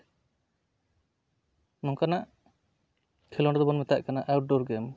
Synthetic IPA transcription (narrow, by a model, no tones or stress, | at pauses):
mɔŋkanaʔ | kʰɛlɔɳɖɔd̪ɔbɔnmɛt̪aʔkanaʔawʈ̚ɖɔɾɡɛm